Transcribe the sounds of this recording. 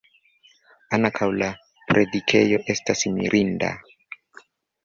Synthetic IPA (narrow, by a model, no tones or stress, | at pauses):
anakʰawla | pɾedikʰe̞jo̞ʔe̞stasmḭɾʔinda̰